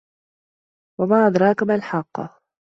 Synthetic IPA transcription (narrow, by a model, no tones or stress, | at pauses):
wamaːʔɑd̪ɾˤɑːkʊmalħɑqː